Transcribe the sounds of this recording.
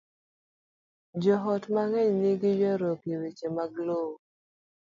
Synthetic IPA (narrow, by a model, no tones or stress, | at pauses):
d͡ʒɔɦɔtmaŋɛɲnɪɡɪjɛɾokiwet͡ʃemaɡlo